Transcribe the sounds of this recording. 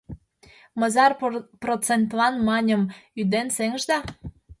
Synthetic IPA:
mɤzɑrprot͡sent̪lɑnmɑnʲəmyd̪enseŋəʒd̪ɑ

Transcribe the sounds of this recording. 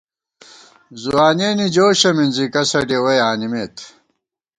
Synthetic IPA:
zuwaːneːnid͡ʑoːɕɐminzikɐsɐɖewɐjaːnimeːt̪

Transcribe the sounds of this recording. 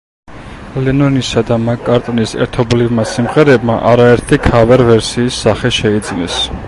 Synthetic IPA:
lɛnɔnisad̪amakʼaɾt̪ʼnisɛ̰ɾt̪ʰɔblivmasimʁɛɾɛbmaʔaɾaɛɾt̪ʰikʰavɛɾvɛɾsiːsːaχɛʃɛid̪znɛ̰s

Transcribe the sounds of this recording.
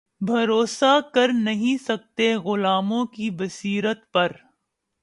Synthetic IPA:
bʱɐɾoːsakɐɾnɐɦĩsɐk̚t̪eɣʊlaːmõkibɐsiːɾət̪pɐɾ

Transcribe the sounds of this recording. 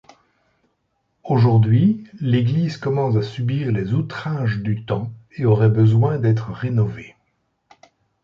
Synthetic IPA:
oʒuʁd̪ɥileɡlizkɔmɑ̃s̬asybiːʁlezut̪χaʒd̪yt̪ɑ̃eɔʁɛbəzwɛ̃d̪ɛt̪χəʁenɔve

